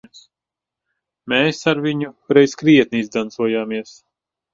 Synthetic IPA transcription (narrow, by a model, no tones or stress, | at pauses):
s | meːsaɾviɲuɾɛjskɾiɛt̪̚niizd̪ant̪suɔjaːmiɛs